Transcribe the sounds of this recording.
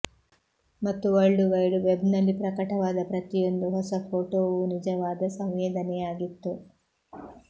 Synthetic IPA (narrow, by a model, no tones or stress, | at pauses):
mɐt̪ːuɐɭɖuʋɐjɖuʋebnɐlːipɾɐkɐʈɐʋaːd̪ɐpɾɐt̪ijond̪uɦɔsɐpʰoːʈoːʋunid͡ʒɐʋaːd̪ɐsɐmʋɛːd̪ɐnɛjaːɡit̪ːu